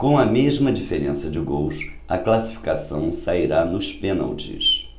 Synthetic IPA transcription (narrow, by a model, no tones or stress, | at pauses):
kõw̃ɐmeʒmɐd͡ʒifeɾẽsɐd͡ʒɪɡows | ɐ̰klasi̥fi̥kasɐ̃w̃saiɾanʊspẽna̰wt͡ʃɪ̰s